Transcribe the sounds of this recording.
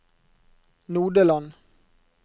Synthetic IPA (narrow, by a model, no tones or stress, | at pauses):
nuːɖəlɑn